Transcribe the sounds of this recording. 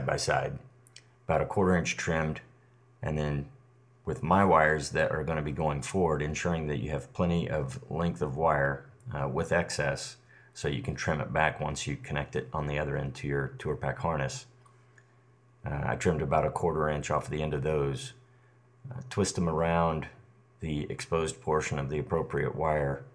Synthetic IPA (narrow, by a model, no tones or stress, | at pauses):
baɪsa̰ɪd̚ | əb̥aʊɾɨkʰw̥ɔɹɾə˞ɪ̃nt͡ʃtʰɹ̥ɪ̃md | ʔɨ̃nðɨ̃n | wɨðmaɪwaɪə˞zðɨɾə̰˞ɡõʊnɨbiɡoʊɪ̃ŋfɔɹwə˞ɾɨ̃nʃʊɹɪ̃ŋðɨt͡ʃɨ̰ːv̥pʰl̥ɛ̃ɾ̃iʔʌvlɪ̃ŋk̚θʌvwaɪə˞wɪðɛksɛsː | oʊjɨkʰn̩tʰɹ̥ɪ̃mɨ̰t̚b̥ækwʌ̃nsjɨkʰɨnɛk̚tɨɾn̩ðiʌðə˞ɛ̰̃ntʰɨjə˞tʰʊɹpʰækhɑɹnɨs | a̰ɪtʰɹ̥ɪ̃mdəbaʊɾəkʰɔɹɾə˞ɹæ̃nt͡ʃɔfðiɛ̃ndʌvðoʊz̥ | tʰw̥ɪst̚ə̃mə˞ãʊ̃n | ðiɨ̰kspoʊzpʰɔɹʃɨ̃nʌvðiɨpʰɹ̥oʊpʰɹiɨ̰ʔwaɪə˞